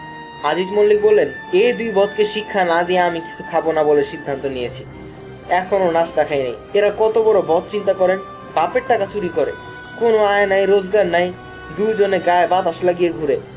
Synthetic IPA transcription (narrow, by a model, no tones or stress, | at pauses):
ad͡ʑid͡ʑmolːik̚bolːen | ejd̪ujbɔt̪keʃikʰːanad̪ieamiki̥t͡ɕʰu̥kʰabonaboleʃid̪ʱːant̪onijet͡ɕʰi | ɛkʰononasd̪ɛkʰajnḛj | eɾakɔt̪obɔɾobɔt̪̚t͡ɕint̪akɔɾen | bapeɾʈːakat͡ɕuɾikoɾḛ | konoaenajɾod͡ʑɡaɾnaj | d̪ujd͡ʑoneɡaebat̪aʃlaɡieɡʱuɾe